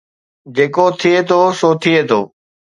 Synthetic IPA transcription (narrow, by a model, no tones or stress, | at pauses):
d͡ʑeːkot̪ʰɪeːt̪ʰoːsoːt̪ʰieːt̪ʰo̰ː